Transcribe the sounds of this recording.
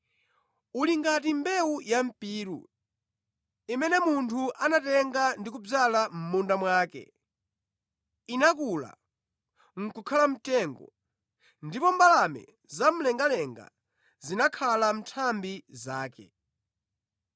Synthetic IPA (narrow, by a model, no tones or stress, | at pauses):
uliŋɡatimbɛujam̩piːɾṵ | imɛnɛmuntʰuʔanatɛŋɡandik̬ub͡ʐalam̩mundamwaːkɛ̰ | inakula̰ | ŋ̩kukʰalam̩tɛŋɡɔ̰ | ndipɔmbalamɛ̰ | zam̩lɛŋɡalɛŋɡa̰ | zinakʰalam̩tʰambizaːkɛ̰